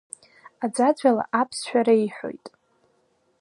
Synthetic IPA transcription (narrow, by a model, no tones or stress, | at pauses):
ad͡zad͡zʷala̰ʔapʰsʃᶣaɾaiħʷᶣo̞̰jtʼ